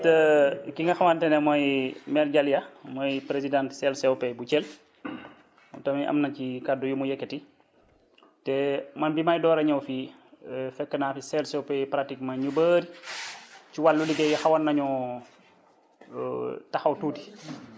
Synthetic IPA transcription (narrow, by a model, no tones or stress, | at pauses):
tɐkiŋɡɐxɐwɐntɛnɛmɔjmɛɾɟɐljɐmɔjpɾezidãntsɛlsɛwpɛjbut͡ʃɛl | tɐmiʔɐ̰mnɐcikadujumujɛkːɛti | tɛmɐnbimajdɔːɾɐɲɐwfi | fɛkːənaːfisɛlsɛwpɛjpɾatik̚mɐɲubəɾi | ciwalːuliɡɛjɐxɐwɐnːɐɲɔ | tɐxɐwtuːti̥